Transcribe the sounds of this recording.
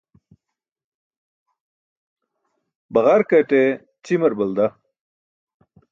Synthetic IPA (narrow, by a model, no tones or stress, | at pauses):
bɐʁaɾkɐʈe | t͡ɕimɐɾbɐld̪ɐ